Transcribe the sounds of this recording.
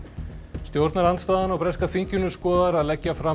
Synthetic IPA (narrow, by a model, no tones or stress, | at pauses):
st̪jowɾt̪naɾant̪st̪aːðanawpɾɛskafiɲcʏnʏskɔːðaɾaðlɛcːafɾa